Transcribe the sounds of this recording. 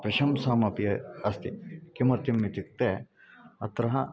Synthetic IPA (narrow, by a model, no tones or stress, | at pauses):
pɾɐʃɐmsaːmɐpijɐɐst̪ikimɐɾt̪imːit̪ik̚t̪e | ɐt̪ɾɐɦɐ